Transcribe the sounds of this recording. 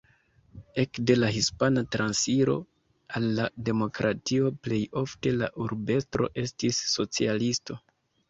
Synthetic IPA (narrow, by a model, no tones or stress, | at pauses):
e̞kde̞laɦispanatɾansiɾo̞̰ | alːade̞mo̞kɾatio̞ple̞jo̞fte̞la̰ʔuɾbe̞stɾo̞̰ʔe̞stisːo̞t͡sialisto̞